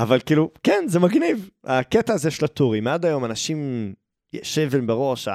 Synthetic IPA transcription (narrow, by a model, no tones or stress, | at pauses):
avalkiːlukɛnzemaɡnivaketaːzeʃelatuʁimad̪ajo̞manaʃim | jḛʃevimbeʁo̞ʃa̰